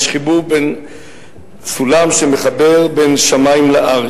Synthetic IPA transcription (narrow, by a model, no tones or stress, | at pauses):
ʃχibuben | sulamʃemeχabe̞ʁbe̞nʃamajimleʔaʁ